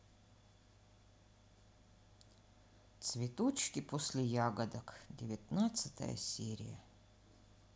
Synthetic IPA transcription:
t̪svʲɪt̪ot͡ɕkʲɪposʲlʲɪjaɡəd̪ɐkdʲɪvʲɪt̪nat̪sɨ̥t̪ə̰jə̰sʲeɾʲɪ̰jə̰

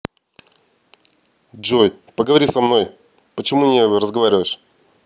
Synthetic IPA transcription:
ʐoj | pəɡəvɐɾʲisɐmno̞j | pət͡ɕɪmunʲɪɾəzɡɐvaɾʲɪvəjɪʂ

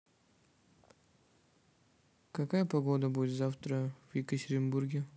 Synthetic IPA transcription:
kɐkajəpɐɡod̪əbudʲɪt̪zaft̪ɾəv̥jɪkətʲɪɾʲɪnburɡʲɪ

